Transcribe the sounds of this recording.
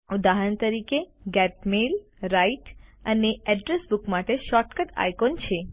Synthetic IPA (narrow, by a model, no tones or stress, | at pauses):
ud̪aɦənt̪əɾikeɡɛʈmelɾaiʈəneɛɖɾesbukmaʈeʃɔʈkəʈa̰jkont͡ʃʰe